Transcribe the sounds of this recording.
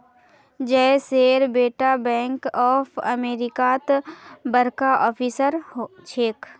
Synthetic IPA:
d͡ʒɛseːɾbeːʈabɛ̃ːŋkɔːpʰɐ̰meːɾɪkat̪bəɾkaʔɔːpʰiːsəɾt͡ʃʰeːk

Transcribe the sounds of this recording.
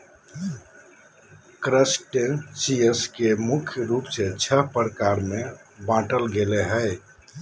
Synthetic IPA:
kɾəsʈensiəskemukʰjəɾupset͡ʃʰəɦpɾkaɾmebãʈəlɡeleɦəɪ

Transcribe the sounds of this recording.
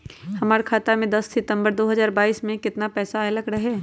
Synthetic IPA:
hɐmaːɾekʰaːt̪amẽd̪ɐsːɪt̪ə̃mbəɾd̪oːɦɐzaːɾbaːiːsmẽkɪt̪napɛːsaelɐɡɾɐɦeː

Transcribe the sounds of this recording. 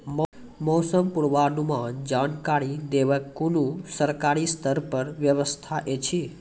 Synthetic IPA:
m | mosəmpuɽʋanũmãd͡ʒankaɾid̪eʋəkːulũsəɾkaɾist̪ʰəɾpəɾʋjəʋəst̪ʰaʔet͡ʃʰi

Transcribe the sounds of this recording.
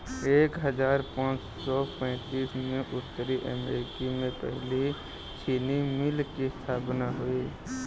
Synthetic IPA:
eːkɦəd͡ʒaːɾpãːt͡ʃ | sɔpɛ̃ːt̪iːsmẽʔʊt̪ːəɾiʔə̰meːɾɪkimẽpɛ̰ɦli | t͡ʃʰiːnimɪlkist̪ʰaːpnaɦʊiː

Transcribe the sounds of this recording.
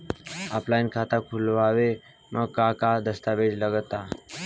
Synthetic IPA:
a̰plajnkʰat̪akʰulʋaʋe | məɡ̚kakad̪əst̪aʋed͡ʒləɡət̪a

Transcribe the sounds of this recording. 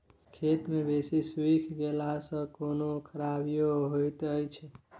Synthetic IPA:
kʰet̪mẽbesiswikʰɡelasəkonokʰəɾabjoɦojt̪əjt͡ʃʰe

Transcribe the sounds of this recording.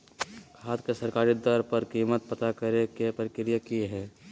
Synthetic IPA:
kʰaːt̪kesɐɾkaːɾid̪ɔɾpəɾkiːmət̪̚pət̪akɐɾekepəɾɪkɾijakiɦɛː

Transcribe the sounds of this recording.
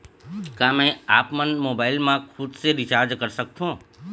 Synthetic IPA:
kãːmẽaːpmənmoːbaːɪlmãkʰʊd̪seɾɪt͡ʃaːɾd͡ʒkɐɾsək̚t̪ʰõː

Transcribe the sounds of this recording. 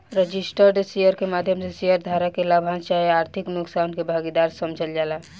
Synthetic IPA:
ɾəd͡ʒisʈəɾɖsijəɾkemad̪ʱjəmsesijəɾd̪ʱaɾakelabʱant͡ʃaeaɾt̪ʰiknuksankebʱaɡid̪aɾsəmd͡ʒʱəld͡ʒala

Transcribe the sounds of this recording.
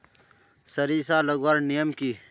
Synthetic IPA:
sɐɾisaːlɐɡwaɾnijəmki

